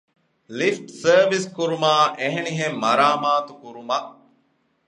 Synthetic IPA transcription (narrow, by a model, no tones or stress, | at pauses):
lifʈsəːʋiskuɾumaːʔeɦeniɦemːɐɾaːmaːt̪ukuɾumɐʔ